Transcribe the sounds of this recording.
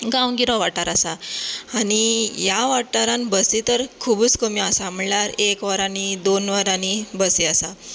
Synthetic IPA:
ɡãwɡiɾɔ̃ʋaʈːaɾasaaɽijaʋaʈːaɾãnbəsit̪əɾkʰubut͡skəmiəsam̤əɭlaɾekʋəɾãnid̪onʋəɾanibəsiasa

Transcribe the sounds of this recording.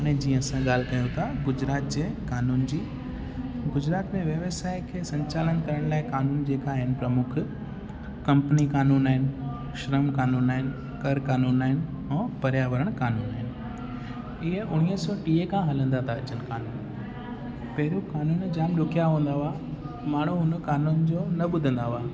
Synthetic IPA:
ɐɽ̃ẽd͡ʑiːə̃ɐsãɠaːl̤kɐjõt̪ʰaɡʊd͡ʑɾaːt̪d͡ʑeːkaːnuːnd͡ʑiː | ɡʊd͡ʑɾaːt̪mẽʋjɐʋəsaːɪkʰeːsɐ̃ɲt͡ɕaːlənkɐɾəɽ̃laːɪkaːnuːnd͡ʑeːkaɦɪnɪ̆pɾɐmʊkʰ | kɐ̃mpnikaːnuːnaːɦɪnɪ̆ | ʃɾəmkaːnuːnaːɦɪnɪ̆ | kɐɾkaːnuːnaːɦɪnɪ | ɛ̃ːpɐɾjaʋəɾəɽ̃kaːnuːnaːɦɪnɪ̆ | ɪɦəʔʊɽ̃iəsɔʈiːekʰãɦɐlə̃nd̪at̪ʰaɐt͡ɕənkaːnuːn | pɐɦɪɾijũkaːnuːnd͡ʑaːmɗʊkijaɦũːn̆d̪aaː | maːɳ̤uɦʊnkaːnuːnd͡ʑoːnɐɓʊd̪ʱə̃nd̪aʋaː

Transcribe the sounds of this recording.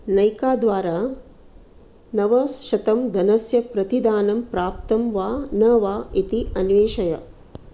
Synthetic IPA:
nɐjkaːd̪ʋaːɾaː | nɐʋɐsʃɐt̪ɐmd̪ʱɐnɐsjɐpɾɐt̪id̪aːnɐmpɾaːp̚t̪ɐmʋaːnɐʋaːit̪iɐnʋeːʃɐjɐ̰

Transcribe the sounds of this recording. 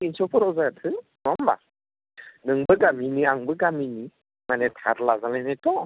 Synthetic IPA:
insɔpʰɯɾɔwzajatʰɯnɔmba̰ | nɯŋbɯɡaminiaŋbɯɡamini | manɛtʰa̰ɾlazalanɛtɔ

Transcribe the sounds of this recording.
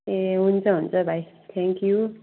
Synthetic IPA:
eunt͡sʌɦũnt͡sʌbʱaj | t̪ʰɛŋkju

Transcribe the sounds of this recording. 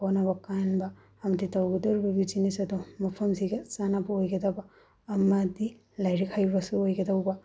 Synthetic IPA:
onabɐkanbaː | mɐditawɡɐdɔɾibɐbid͡ʒinisɐdɔmɐpʰɐmsiɡɐsanabɐojɡɐdabɐː | mɐdi | lajɾikʰajbɐsuojɡɐdawbɐ

